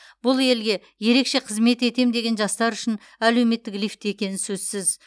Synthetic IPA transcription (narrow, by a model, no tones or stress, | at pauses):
bʊlˠe̞lɡʲe̞ | je̞ɾe̞kʃe̞qʰəzme̞t̪e̞t̪e̞md̪e̞ɡʲe̞nʒɑst̪ɑɾʏʃɪn | æle̞wme̞t̪ːɪklijft̪je̞kʲe̞nɪsɵzsɪz